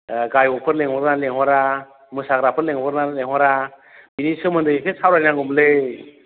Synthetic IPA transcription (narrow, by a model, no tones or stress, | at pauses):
ɡajɔpʰɯɾleŋɔɾnaleŋhwɔɾa | mɯsaɡɾapʰɯɾleŋpʰɔɾnaleŋɦwɔɾa | binisɯmɯndɯpʰesawɾajnaŋɡɯmle